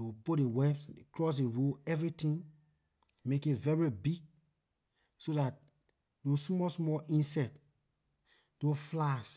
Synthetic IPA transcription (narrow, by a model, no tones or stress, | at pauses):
obodewɛfkɹɔs̬deɹoɛvɹitĩŋ | mekitvɛɹibiɡ̚ | sodat̚ | dosomɔsmɔʔĩnsɛt | dõflas